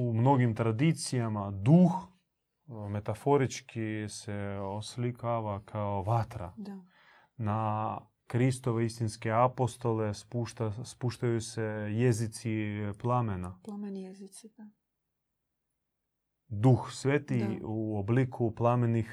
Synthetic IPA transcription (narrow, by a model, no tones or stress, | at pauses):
umno̞ɡimt̪ɾad̪it̪sijamad̪ux | me̞t̪afo̞ɾit͡ʃkiseoslikaʋakʰaoʋat̪ɾa̰ | na | kɾist̪oʋeist̪inskeapo̞st̪o̞lespuʃt̪aspuʃt̪ajusejezit̪siplˠamena | d̪uxsʋet̪iuoblikʰuplˠamenix